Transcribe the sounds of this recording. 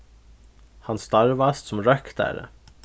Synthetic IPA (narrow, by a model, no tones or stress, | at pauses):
hɑnst̪ɑɹʋɑst̪sɔm̩ɹœkd̪æ̰ːɾə̰